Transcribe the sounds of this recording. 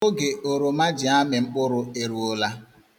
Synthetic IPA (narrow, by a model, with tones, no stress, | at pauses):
o˦ɡe˨ʔo˨ɾo˨ma˦d͡ʒɪ˨a˦mɪ˨ŋ͡m̩˦k͡pʊ˦ɾʊ˦e˨ɾu˨ʊ˦la˦